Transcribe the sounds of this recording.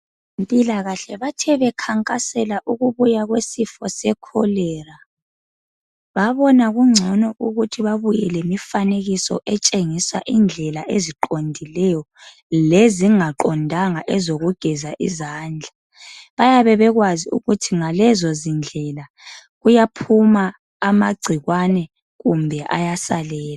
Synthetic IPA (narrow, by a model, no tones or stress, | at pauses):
empʼilaɣaɬɛβatʰɛβɛkʰaŋkʼasɛlaʔuɣuβujaɣwesifɔsɛkʰɔlɛːra | βaβɔnaɣuŋ͡ǀʱɔnɔʔuɣutʰiβaβujɛlɛmifaneɣisɔ̰ʔɛt͡ʃʼeŋisa̰ʔind͡ɮʱɛlaʔeziǃondʱilɛjɔ | leziŋaǃɔndʱaŋaʔɛzoɣuɡ̥ʱɛzaʔḭzaːnd͡ɮʱa | βajaβɛβɛɣwaziṵɣutʰiŋalɛzɔzind͡ɮʱɛla | ɣujapʰumaː | maɡ͡ǀʱiɣwanɛ | ɣumbʱɛʔa̰jasalɛːla